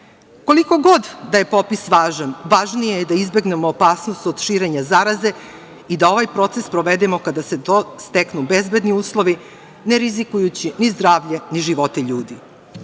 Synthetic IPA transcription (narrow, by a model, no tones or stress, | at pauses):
ko̞liko̞ɡo̞d̪d̪aje̞po̞pisʋaːʒanʋaːʒnijejd̪aizbe̞ɡne̞moːpaːsno̞st̪o̞d̪̥ʃiːɾe̞ɲazaɾaze̞ | id̪ao̞ʋajpɾo̞t̪sespɾoʋe̞d̪emo̞kad̪ase̞t̪ost̪eknubezbe̞d̪niuːslˠo̞ʋi | neɾizikujut͡ɕinizd̪ɾaːʋʎeniʒiʋo̞t̪eʎuːd̪i